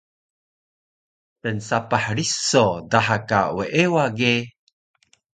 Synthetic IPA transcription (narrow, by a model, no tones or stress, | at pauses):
pənsapaħɾisodaħaka̰weʔewaɡe